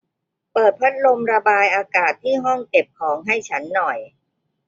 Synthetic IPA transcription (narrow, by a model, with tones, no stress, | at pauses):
pɤː˨˩t̪̚pʰa˦˥t̪̚lo˧mɾa˧baː˧jʔaː˧kaː˨˩t̪ʰːiː˥˩ɦɔ˥˩ŋt͡ɕe˨˩p̚kʰɔː˩˦ŋɦa˥˩jt͡ɕʰa˦˥nːɔ˨˩j